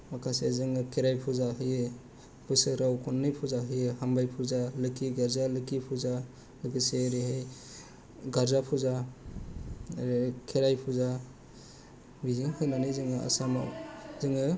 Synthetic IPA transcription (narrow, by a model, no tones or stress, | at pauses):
makʰasezɯŋɯkʰeɾajpʰuzaɦɯje | pʰɯsɯɾawkʰɔnːɯjpʰuzaɦɯjɯhambajpʰuzalɯkiɡaɾzalɯkipʰuza | lɯkɯseɾiɦɯj | ɡaɾzapʰuza | ɾikʰeɾajpʰuza | bizɯŋhɯjnanɯjzɯŋɯa̰sama̰zɯŋɯ